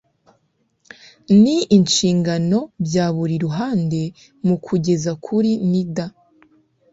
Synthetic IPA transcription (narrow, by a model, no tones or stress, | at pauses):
niːnʃiːŋɡano̞bjaːβuɾiɾuɦaːnde̞ | mukʰuɟe̞zakʰuɾinida